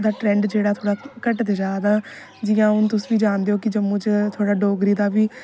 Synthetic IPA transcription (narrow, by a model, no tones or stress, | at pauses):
d̪aːʈɾɛ̃ːɳɖd͡ʒeːɽaːt̪ʰoːɽaːkəʈd̪eːd͡ʒaːd̪aː | d͡ʒɪjãːʊnt̪ʊsːʋiːd͡ʒaːnd̪eːoːkɪd͡ʒəmõːt͡ʃt̪ʰoːɽaːɖoːɡɾiːd̪aːʋiː